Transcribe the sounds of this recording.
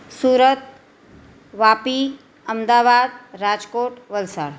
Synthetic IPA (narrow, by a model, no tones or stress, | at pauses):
suːɾət̪ | ʋaːpi | əmd̪aːʋaːd̪ɾad͡ʒkoːʈʋəlsa̰ːɾ